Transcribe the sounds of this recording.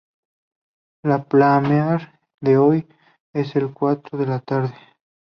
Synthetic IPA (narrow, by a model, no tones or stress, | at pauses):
laplameaɾ | d̪eoj | eselkwat̪ɾoðelat̪aɾðe